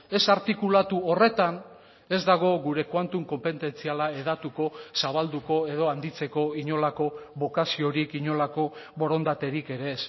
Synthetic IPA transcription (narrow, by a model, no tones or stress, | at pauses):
e̞saɾt̪ikulat̪uore̞t̪an | e̞zd̪aɣ̞o̞ɣuɾe̞kwant̪uŋko̞mpe̞nt̪e̞nt͡sialae̞ð̞at̪uko̞saβ̞ald̪uko̞eð̞o̞and̪it͡se̞ko̞iɲo̞lako̞βo̞kasio̞ɾikiɲo̞lako̞βo̞ɾo̞nd̪at̪e̞ɾike̞ɾe̞ːs